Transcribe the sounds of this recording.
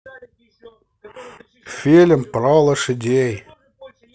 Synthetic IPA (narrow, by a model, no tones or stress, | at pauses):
fʲelʲə̆mpɾɑlˠə̆ʃə̆d̪ʲej